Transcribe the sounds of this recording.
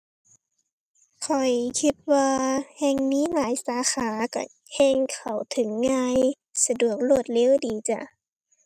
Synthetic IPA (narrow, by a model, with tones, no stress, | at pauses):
kʰɔ˨˩jkʰi˧t̪̚waː˧hɛː˧ŋmiː˧˥˨ŋaː˨˦jsaː˨˦xaː˨˦ka̰˧˩ | hɛː˧ŋkʰa˨˩wt̪ʰɯ˨˦ŋːaː˧j | sa˧du˨˩ək̚lo˧˩ət̪̚leː˧˥˨wdiː˨˩t͡ɕa̰˧˩